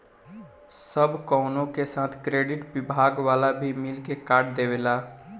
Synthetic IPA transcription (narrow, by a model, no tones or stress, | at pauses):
səbʱkɔʊnõkesaːt̪ʰkɾeːɖɪʈbɪbʱaːɡʋaːlabʱimɪlkekaːʈd̪eːwelaː